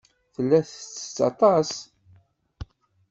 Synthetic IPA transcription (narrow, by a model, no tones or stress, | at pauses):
θəlːæθt͡sːə̥t͡sːɑ̰t̪ˤɑs